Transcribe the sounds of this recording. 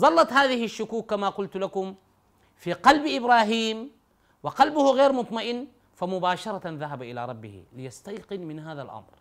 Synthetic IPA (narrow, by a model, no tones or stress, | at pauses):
zˤɑlːɑt̪haːðɪhiʃːʊkuːkːamaqʊlt̪lakʊm | fiqɑlbʔɪbɾaːɦiːm | wɪqɑlbʊhuɣeːɾmʊt̪ˤmaʔɪnː | famʊbaːʃɑɾˤɑðaɦabaʔɪla̰ːɾˤɑbːɪ̰hḭlɪjast̪ajqɪnmɪnhaːða̰lʔɑ̰mɾ